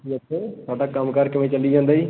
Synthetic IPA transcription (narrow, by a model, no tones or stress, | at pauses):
iːətʰːeːt̪ʰʊaːɖaːkəmkəɾkɪʋẽːt͡ʃəliːd͡ʒãːnd̪aːiː